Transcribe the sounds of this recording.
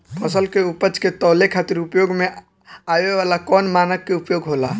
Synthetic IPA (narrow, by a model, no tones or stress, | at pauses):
pʰəsəlkeupət͡ʃket̪ɔlekʰat̪iɾupjoɡme | abeʋalakɔnmanəkːeupjoɡɦola